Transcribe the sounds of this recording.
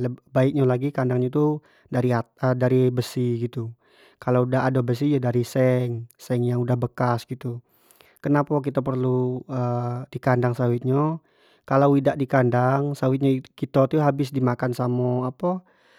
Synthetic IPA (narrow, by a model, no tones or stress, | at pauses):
ləbaɪk̚ɲalaɡikandaŋɲat̪u | daɾiaədaɾibəsihɡit̪u | kalaudaadobəs̬id͡ʒadaɾisɛŋsɛŋjaŋudahbəkasɡit̪u | kənapak̬it̪ap̬ərluədikandaŋsawɪt̪̚ɲa | kalawidaʔdikandaŋsawɪt̪̚ɲakit̪ot̪uɦabɪsdimakansamɔapa